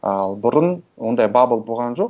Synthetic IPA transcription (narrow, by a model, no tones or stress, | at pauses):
ɑlˠbʊɾənwo̞nd̪ɑjbɑbəlˠbolˠʁɑnʒo̞q